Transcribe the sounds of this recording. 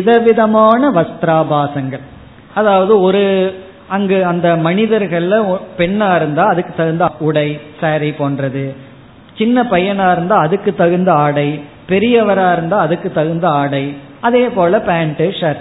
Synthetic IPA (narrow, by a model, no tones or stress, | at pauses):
ɪðɐʋɪðɐmaːnɐʋɐst̪ɾaːbaːsɐŋɡɐɭ | ɐðaːʋɐðɯɔɾɯ | ɐŋɡeɐnd̪ɐmɐnɪðɐɾɣɐɭlpɛɳːaːɪɾɯnd̪aːɐðɯkːɯt̪ːɐɣɯnd̪ɐʊɽɐɪsaːɾɐɪpoːndrɐðɯ | t͡ʃɪnːɐpɐjɐnaːɪɾɯnd̪aːɐðɯkːɯt̪ːɐɣɯnd̪ɐaːɽɐɪ | pɛɾɪjɐʋɐɾaːɪɾɯnd̪aːɐðɯkːɯt̪ːɐɣɯnd̪ɐaːɽɐɪ | ɐðeːpoːlɐpaːɳʈɯʂɐɾ